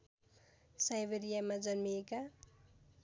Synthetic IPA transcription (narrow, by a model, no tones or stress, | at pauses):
sajbeɾijamad͡zʌnmieka